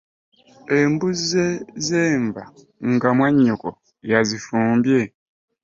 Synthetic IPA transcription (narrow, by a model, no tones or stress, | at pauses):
embuzezemba̰ | ŋ̩ɡamwaɲːukɔ | jazifuːmbje